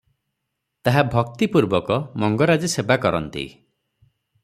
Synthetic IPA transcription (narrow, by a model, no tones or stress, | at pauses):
t̪aɦabʱɔk̚t̪ipuɾbɔkɔmɔŋɡɔɾad͡ʒisebakɔɾɔ̰nt̪ḭ